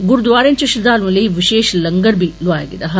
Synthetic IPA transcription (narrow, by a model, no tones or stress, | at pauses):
ɡʊɾd̪ʋaːɾẽːnɪt͡ʃeʃɪd̪aːlũləiʋɪʃeːʃlɐŋɡəɾbʱilʊaːjḛɡḛd̪aːɦ